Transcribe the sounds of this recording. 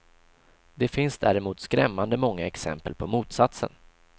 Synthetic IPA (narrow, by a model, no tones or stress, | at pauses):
d̪ɛfɪnsd̪æ̰ːɾɪmuːt̪skɾɛmːand̪əmɔŋːaɛksɛ̰mpəlpʰɔmuːt̪sat̪sə̰n